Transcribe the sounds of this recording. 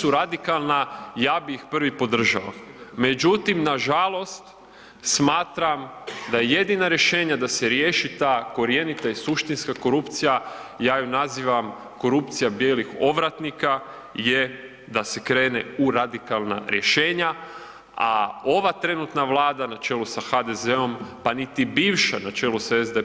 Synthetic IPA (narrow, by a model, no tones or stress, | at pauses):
suɾad̪ikalˠnajaːbixpr̩ʋipo̞d̪r̩ʒaʋome̞d͡ʑut̪imnaʒalˠo̞st̪ | smaːt̪ɾamd̪ajeje̞d̪inaɾje̞ʃe̞ːɲad̪ase̞ɾje̞ːʃit̪aːko̞ɾje̞nit̪aisuʃt̪inskako̞ɾupt̪sijajaːjunaziːʋam | ko̞ɾupt̪sijabje̞ːlixo̞ʋɾat̪nika | je | d̪ase̞kɾe̞ːnḛuɾad̪ikalˠna̰ɾje̞ʃe̞ːɲa | a̰o̞ʋat̪ɾe̞nut̪naʋlˠaːd̪anat͡ʃe̞ːlusaxad̪e̞zeo̞mpanit̪ibiːʋʃanat͡ʃe̞lusaezd̪e